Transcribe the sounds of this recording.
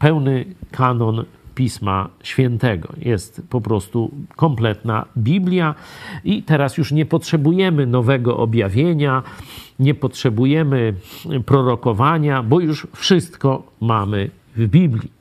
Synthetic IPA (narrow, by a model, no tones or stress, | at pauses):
pɛwnɘkʰanɔnpʲisma̰ɕfʲɛnt̪ɛɡɔ̰jɛst̪pɔpɾɔst̪ukɔmplɛt̪na̰bʲiblʲjait̪ɛɾasjuʂɲɛpɔtʂɛbujɛmɘnɔvɛɡɔʔɔbʲjavʲjeɲaɲɛpɔtʂɛbujɛmɘpɾɔɾɔkɔvaɲabɔjuʂfʂɘst̪kɔmamɘ | vbʲiblʲi